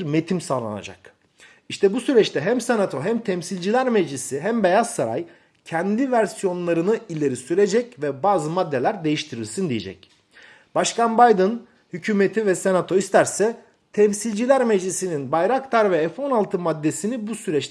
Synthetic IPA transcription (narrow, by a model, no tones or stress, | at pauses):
ɾme̞t̪ʰimsaːlˠa̰na̰d͡ʒa̰k | iʃt̪ʰɛbusyɾɛt͡ʃt̪ʰɛɦæmsenat̪ʰo̞ɦæmt̪ʰɛmsilʲd͡ʒilʲæɾmed͡ʒlʲisiɦæmbejazsaɾa̰j | cʰɛnd̪ivæɾsijo̞nlˠaɾɯnɯilʲe̞ɾisyɾe̞d͡ʒɛcvɛbaːzɯmad̪ːe̞lʲæɾd̪e̞jiʃt̪ʰiɾilʲsind̪ijḛd͡ʒɛ̰c | baʃkanbajd̪ɯn | hycʰyːmet̪ʰivɛsenat̪ʰo̞ist̪ʰæɾsɛ | t̪ʰɛmsilʲd͡ʒilʲæɾmed͡ʒlʲisininbajɾakt̪ʰaɾvɛːfo̞nalˠt̪ʰɯmad̪ːe̞sinibusyɾɛt͡ʃt̪